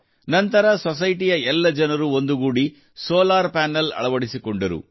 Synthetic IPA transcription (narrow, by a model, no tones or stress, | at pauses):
nɐnt̪ɐɾɐsɔs̬ɐjʈijɐɛlːɐd͡ʒɐnɐɾuond̪uɡuːɽi | soːlaːɾpaːnɐlɐ̰ɭɐʋɐɽisikoɳɖɐɾṵ